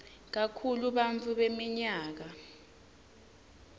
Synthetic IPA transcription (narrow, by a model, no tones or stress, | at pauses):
k̬akʰuluɓant͡fʰuɓemiɲaːk̬a